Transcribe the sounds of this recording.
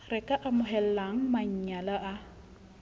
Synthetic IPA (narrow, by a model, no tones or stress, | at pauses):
rɛkʼaʔamʊɦɛllaŋ̩maɲ̩ɲalaʔa